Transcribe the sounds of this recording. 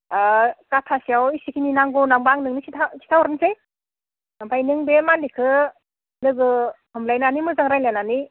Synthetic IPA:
katʰasiawisikʰininaŋɡɔnambaŋnɯŋnisitʰasi̥tʰawɾɯnsej | abajnɯŋbemalikʰɯ | lɯɡɯhɯmlajnanimɯzaŋɾajlanani

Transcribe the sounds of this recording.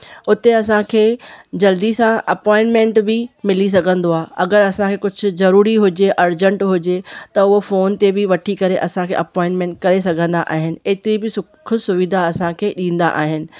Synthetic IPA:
ʊt̪eɐsãkʰeːd͡ʑɐld̪isãʔɐpɔ̃ːɪ̃ɳʈmẽɳʈbɪmɪlis̬ɐɡʱə̃nd̪oaːɦɐɡəɾɐsãkʰeːkʊd͡ʑʱʊ̆zɐɾuːɾiɦʊd͡ʑeʔɐɾd͡ʑə̃ɳʈɦʊd͡ʑet̪ɐʊɦofoːnt̪ebɪʋɐʈʰikɐɾeʔɐsãkʰḛːʔɐpɔ̃ːɪ̃ɳʈmẽːɳʈ̚kɐɾesɐɡʱə̃nd̪a̰ʔa̰ːɦɪnɪ̆eːt̪ɪɾibɪsʊʊsʊʋɪd̪ʱaɐsãkʰeːɗĩːn̆d̪a̰ʔa̰ːɦɪnɪ̆

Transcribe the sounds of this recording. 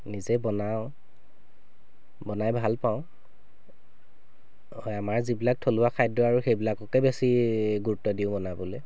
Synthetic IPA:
nizɛbɔnaʊ̃ | bɔnajbʱalpaʊ̃ | hɔjamaɹzibilak̚tʰolʊakʰajdɔaɹuxejbilakɔkɛbesiɡuɹtɔdiʊ̃bɔnabɔlɛ

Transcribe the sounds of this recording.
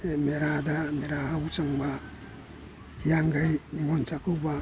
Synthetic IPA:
emeɾadameɾaawsaŋba | hiaŋɡajniŋonsakuba

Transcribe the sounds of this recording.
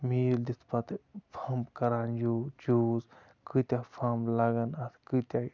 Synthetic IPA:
miːld̪it̪ʰpɐt̪pʰɐmbkɐɾaːnd͡ʒoːd͡ʒuːz | kɨt̪ʲapʰɐmblɐɡɐnɐt̪ʰkɨt̪ʲa

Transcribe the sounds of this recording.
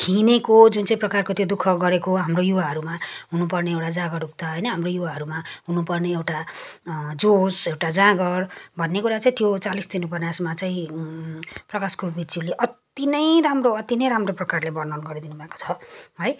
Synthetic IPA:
kʰinekod͡zunt͡saĩprʌkarkot̪jod̪ukʰʌɡʌɾekoɦamrojuwaɦʌɾumaɦunupʌrneewʈad͡zãɡʌruk̚t̪aɦʌjnʌɦamrojuwaɦʌɾumaɦunupʌrneewʈa | d͡zosewʈad͡zãɡʌrbʱʌnːekuɾat͡saĩt̪jot͡salisd̪inupʌnasmat͡saĩ | prʌkaskobid͡zileʔʌt̪inʌjramroʌt̪inʌjɾamroprʌkarlebʌrnʌnɡʌɾid̪inubʱaeko̥t͡sʰʌɦʌj

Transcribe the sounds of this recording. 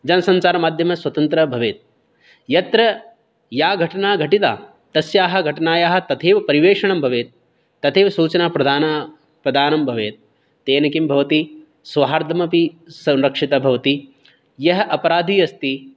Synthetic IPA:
d͡ʒɐnɐsɐɲt͡ʃaːɾɐmaːd̪ʱjɐmɐswɐt̪ɐnt̪ɾɐbʱɐʋeːt̪̚ | jɐt̪ɾɐ | jaːɡʱɐʈɐnaːɡʱɐʈit̪a̰ː | t̪ɐsjaːɦɐ̆ɡʱɐʈɐnaːjaːɦɐ̆t̪ɐt̪ʰeːʋɐpɐɾiʋeːʂɐɳɐmbʱɐʋeːt̪̚ː | ɐt̪ʰeːʋɐsuːt͡ʃɐnapɾɐd̪ʱaːna | pɾɐd̪ʱaːnɐmbʱɐʋeːt̪̚ː | eːnɐkimbʱɐʋɐt̪i | sʋɦaːɾd̪ʱɐmɐpisɐ̃mɾɐkʂit̪ɐbʱɐʋɐt̪i | jɐɦɐʔɐpɐɾaːd̪ʱiːɐst̪i

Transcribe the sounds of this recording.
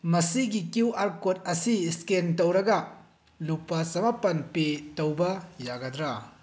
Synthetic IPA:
mɐsiɡikiwaɾkot̚ɐsiskentɐwɾɐɡɐ | lupːɐsɐmapɐnpetɐwbɐjaɡɐdɾɐ

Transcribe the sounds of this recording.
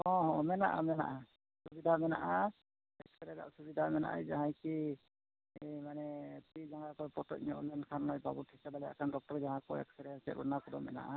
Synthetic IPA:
ɔ̃ɦɔ̃mɛna̰ʔa̰mɛna̰ʔa | subidʱamɛna̰ʔa | ɛk̚sɛɾɛda̰ʔsubidʱamɛna̰ʔa̰jzaɦãjki | jmanɛpɾizaŋakɔjpɔtɔ̰t̚ɲɔʔɔlɛnkʰanlɔjbabutʰisabalɛa̰kʰandɔk̚tɔɾzaɦãkɔɛ̰k̚sɛɾɛasɛ̰ʔʔɔ̰nakɔdɔ̰mɛ̰na̰ʔa

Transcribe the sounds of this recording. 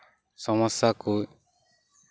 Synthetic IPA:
sɔmɔsaku

